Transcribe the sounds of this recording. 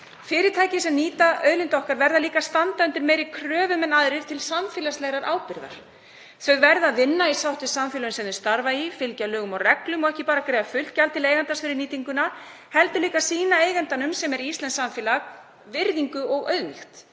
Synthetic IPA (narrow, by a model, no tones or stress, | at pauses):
fɪːɾɪɾt̪ʰaːjcɪsɛmniːt̪aœðlɪnt̪ɔhkaɾvɛɾðaliːkast̪ant̪aʏnt̪ɪɾmeːjɾɪkʰɾœːvʏmɛnaðɾɪ̥t̪ʰɪlsamfɛːlaslɛɣɾaɾʔa̰ːwpɪɾða̰ɾ̥ | θœɣvɛɾðaðvɪnːaisawht̪ɪsamfjɛlʏnsɛmðɪst̪aɾvaifɪlcalœːɣʏmɔwrɛklʏmɔɣɛhcɪpaːɾakɾeːjðafʏl̥t̪̚calt̪ʰɪleːjɣant̪asfɪɾɪɾniːt̪iŋkʏna | hɛlt̪ʏliːkasiːnaeːjɣɛnt̪anʏmsɛmɛɾist̪ɛnsamfɛːlaɣ | vɪɾðiŋkʏɔɣœ̰ðlḭxt̪